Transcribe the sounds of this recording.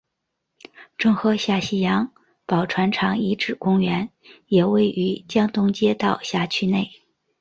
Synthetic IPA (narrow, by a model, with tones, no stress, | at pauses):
ʈ͡ʂɤ˥˩ŋxɤ˧˥ɕja˥˩ɕi˥jɑ˧˥ŋ | pɑ˨˩ʊʈ͡ʂʰwa˧˥nʈ͡ʂʰɑ˧˥ŋi˧˥ʈ͡ʂɻ̩˨˩kʊ˥ŋɥɛ˧˥n | jɛ˨˩we˥˩ɪʔy˧˥t͡ɕjɑ˥ŋt̪ʊ˥ŋt͡ɕjɛ˥t̪ɑ˥˧ʊɕja˥˩t͡ɕʰy˥ne˥˩ɪ